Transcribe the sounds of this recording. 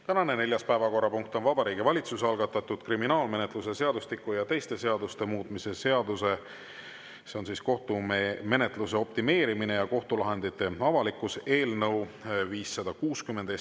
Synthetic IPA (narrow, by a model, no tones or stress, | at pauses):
t̪ænɑne̞ne̞lʲjɑspæevɑko̞rːɑpuŋk̚t̪o̞nvɑb̥ɑɾiːɡivɑlʲit̪susɑlɡ̥ɑt̪ːˑɑt̪ːˑud̪̥kriminɑːlme̞net̪ˑluse̞se̞ɑd̪ust̪ikːˑujɑt̪e̞jst̪e̞se̞ɑd̪ust̪e̞muːt̪ˑmise̞se̞ɑd̪use̞ | se̞o̞nsiːsko̞ht̪ume̞net̪ˑluse̞o̞pt̪ime̞ːɾimine̞jɑko̞ht̪ulɑɦe̞nd̪it̪ːˑe̞ɑvɑlikːˑuse̞ːlnɤwviːsːɑd̪̥ɑkuːskymːend̪e